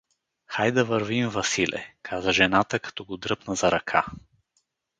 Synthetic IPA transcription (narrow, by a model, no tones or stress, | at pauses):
xajd̪ɐvəɾvimvɐsilʔɛ̰kʰazəʒɛnat̪əkɐ̥t̪ɔɡod̪ɾɤpnəzɐɾɐkʰa